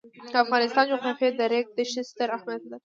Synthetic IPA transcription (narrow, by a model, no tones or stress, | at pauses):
afɣɑnɪst̪ɑnd͡ʒoxɑfed̪aɾek̚d̪əʃɪst̪əɾahmad̪̚d̪a